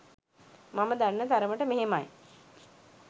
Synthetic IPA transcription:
maməd̪anːət̪aɾəməʈəmeɦemaj

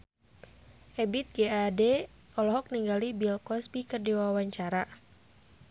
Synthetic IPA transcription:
hɛbit̪̚ɡeade | ɔlɔɦɔk̚niŋɡalibilkɔsbikərdiwawaɲt͡ʃaɾa

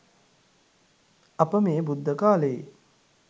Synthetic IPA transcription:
apəmeːbud̪ʱːəkaːləje

